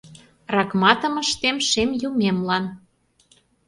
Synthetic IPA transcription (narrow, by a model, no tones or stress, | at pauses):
rɑkmɑt̪ə̆mə̆ʃt̪emʃemjumemlɑn